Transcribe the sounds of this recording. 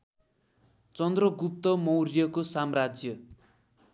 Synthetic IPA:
t͡sʌnd̪rʌɡup̚t̪ʌmʌwrjʌkosamrad͡zjʌ

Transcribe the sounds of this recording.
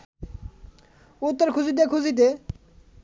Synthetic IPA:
ut̪ːɔɾkʰuzit̪̬ekʰuzit̪̬e

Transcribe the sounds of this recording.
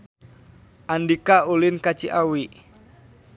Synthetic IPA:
ʔandikaulɪnkat͡ʃiʔawi

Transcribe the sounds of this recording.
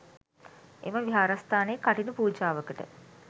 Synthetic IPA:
ḛməʋiɦaːɾast̪aːneːkːaʈinəpuːd͡ʒaːʋəkəʈə̰

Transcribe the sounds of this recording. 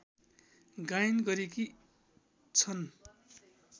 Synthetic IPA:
ɡajnɡʌɾeki | t͡sʰʌn

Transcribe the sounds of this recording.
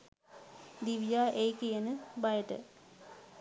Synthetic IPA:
d̪iʋijaːʔejkijənəbajəʈə̰

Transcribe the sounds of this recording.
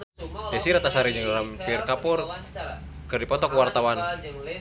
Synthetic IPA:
dɛsiɾat̪asaɾid͡ʒɨŋrampirkapur | kɨrdipɔt̪ɔkuwart̪awan

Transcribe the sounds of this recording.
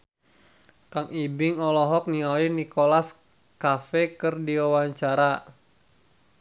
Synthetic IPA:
kaŋibɪŋɔlɔɦɔk̚niɔlinikɔlas | kafɛkɨrdiwawaɲt͡ʃaɾa

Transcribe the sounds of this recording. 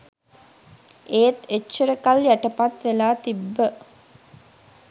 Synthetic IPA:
ʔeːt̪et͡ʃːəɾəkaljæʈəpat̪ʋelaːt̪ibːə

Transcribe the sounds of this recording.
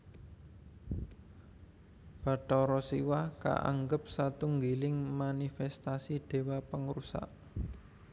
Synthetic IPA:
b̥a̤ʈɔɾɔsiwahka̰ʔa̰ŋɡəp̚sat̪uŋɡilɪŋmanifɛst̪asiɖ̥e̤wapəŋɾusa̰ʔ

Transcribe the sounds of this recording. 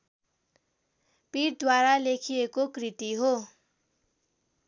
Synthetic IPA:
piʈ̚d̪waɾalekʰiekokrit̪iɦo

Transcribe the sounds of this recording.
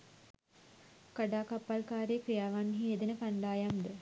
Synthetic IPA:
kaɖaːkapːalkaːɾejkrijaːʋanːɦied̪ənəkand̪aːjamd̪ə

